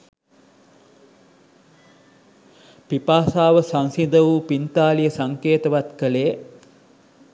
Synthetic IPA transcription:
pipaːsaːʋəsaŋsid̪əʋuːpint̪aːlijəsaŋkeːt̪əʋat̪kəleː

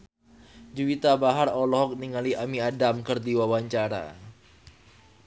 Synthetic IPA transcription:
d͡ʒuwit̪abaɦarɔlɔɦɔk̚niŋaliʔamiadamkɨrdiwawaɲt͡ʃaɾa̰

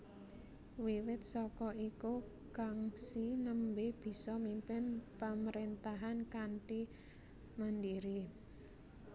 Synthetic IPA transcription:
wiwɪt̪̚sɔkɔiku | kaŋsinəmbeb̥i̤sɔmimpɪnpaməɾent̪aɦankaɳʈi | mənd̪iɾi

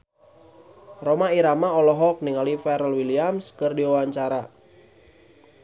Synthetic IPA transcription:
rɔmaiɾamaɔlɔɦɔk̚niŋalifɛɾəlwiliamskɨrdiwawaɲt͡ʃaɾa

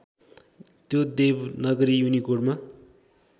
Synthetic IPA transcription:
t̪jod̪ebnʌɡʌɾijunikorɖma

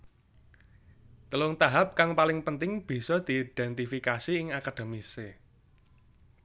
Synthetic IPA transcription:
t̪əlʊŋt̪aɦap̚kaŋpalɪŋpənt̪ɪŋb̥i̤sɔd̪̥i̤ːd̪̥ɛnt̪ifikasiɪŋakad̥e̤mise

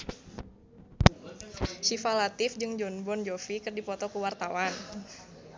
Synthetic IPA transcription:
ʃifalat̪ɪfd͡ʒɨŋd͡ʒɔnbɔnd͡ʒofikɨrdipɔt̪ɔkuwart̪awan

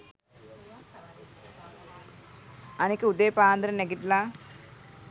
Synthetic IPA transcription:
ɐnikəud̪eːpaːnd̪ɾɐneɡiʈlaː

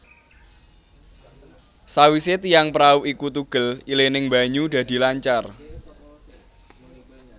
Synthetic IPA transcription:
sawiset̪ijaŋpɾauʔikut̪uɡ̥ə̤lilenɪŋmba̤ɲuɖ̥̪ä̤d̪̥i̤laɲt͡ʃar

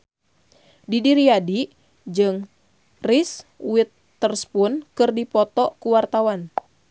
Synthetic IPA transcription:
didiɾiadi | d͡ʒɨŋ | riswɪt̪ː | ərspunkɨrdipɔt̪ɔkuwart̪awan

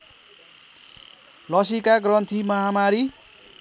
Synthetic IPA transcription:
lʌsikaɡrʌnt̪ʰimʌɦamaɾi

